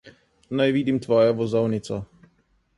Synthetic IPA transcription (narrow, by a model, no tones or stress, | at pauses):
nɛjvid̪imt̪vɔjɛvɔzɔwnɪt̪t͡s̪ɔ